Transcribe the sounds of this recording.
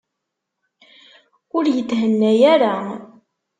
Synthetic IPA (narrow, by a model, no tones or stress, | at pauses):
ʊɾjət̪ːɦənːæjaɾa